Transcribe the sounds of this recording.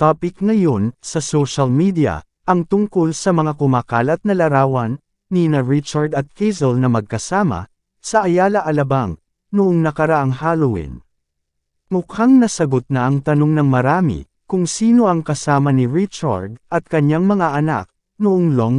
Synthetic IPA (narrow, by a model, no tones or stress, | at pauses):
t̪aːpɪkŋɐjo̞nsɐsoʃɐlmid̪ijɐ̰ | ʔɐŋt̪ʊŋko̞lsɐmɐŋakʊmaːkaːlɐt̪̚nɐlɐɾaːwɐnː | inɐɹɪt͡ʃaɹd̪ɐt̪̚kejzɛlnɐmɐɡ̚kɐsaːmɐ̰ | sɐʔɐjaːlɐʔɐlɐbaŋ | nʊʔoŋnɐkɐɾɐʔaŋhaːlowḭn | mʊkʰaŋnɐsɐɡot̪̚nɐʔɐŋt̪ɐno̞ŋnɐŋmɐɾaːmḭ | kʊŋsiːno̞ʔɐŋkɐsaːmɐniɹɪt͡ʃa̰ɹd̪ɐt̪̚kɐɲːaŋmɐŋaʔɐna̰k̚ | nʊʔoŋloŋ